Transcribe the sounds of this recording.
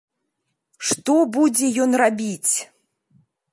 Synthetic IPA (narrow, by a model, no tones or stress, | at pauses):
ʂt̪ɔbud͡zʲɛjɔnrabʲit͡sʲ